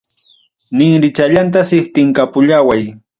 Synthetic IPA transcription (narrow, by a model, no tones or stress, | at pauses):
nɪŋɾɪt͡ʃaʎant̪asɪht̪ɪŋkapʊʎawaj